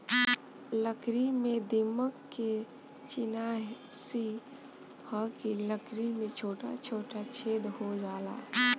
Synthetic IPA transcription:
ləkɾimed̪iməkːe | t͡ʃɪnasi | həkiləkɾimet͡ʃʰoːʈa̰t͡ʃʰoːʈat͡ʃʰeːd̪ɦod͡ʒaːla̰ː

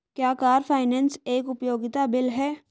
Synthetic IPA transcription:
kjaːkaːɾfʰaːɪnɛːnseːkʊpjoːɡɪt̪abɪlɦɛː

